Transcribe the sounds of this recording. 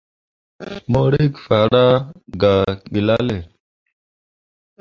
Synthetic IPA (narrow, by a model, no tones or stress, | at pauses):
moːɽikfaːɽaːɡaːɓilaːle